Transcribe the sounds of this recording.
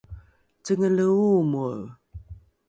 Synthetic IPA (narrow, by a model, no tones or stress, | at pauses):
t͡səŋələumu